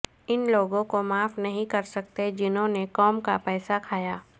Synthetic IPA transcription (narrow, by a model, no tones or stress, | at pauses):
ɪnloːɡõkomaːfnɐɦĩkɐɾsɐk̚t̪ed͡ʒɪnɦõnekɔːmkapɛːsakʰaːjaː